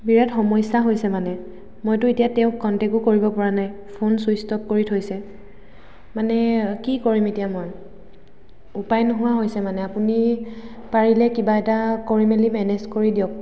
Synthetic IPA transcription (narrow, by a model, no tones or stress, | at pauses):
biɹɛtxɔmɔjsaɦojsɛmanɛ | mojtʊetijatɛʊ̃kkːɔntɛkʊkoɹibɔpɔɹanaj | pʰonsujstɔp̚koɹitʰojsɛ | manɛkikoɹimetijamɔj | upajnʊɦʊwaɦojsɛmanɛapuni | paɹilɛkibaɛtakoɹimelimɛnɛzkoɹidijɔk̚